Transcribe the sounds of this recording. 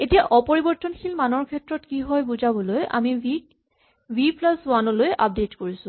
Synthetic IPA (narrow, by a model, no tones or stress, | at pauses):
etijaʔɔpoɹibɔɹtɔnxʰilmanɔɹkʰɛtɹɔtkiɦɔjbuzabɔlojʔa̰mii | wiplaswanɔlojʔa̰p̚detkoɹisʊ̃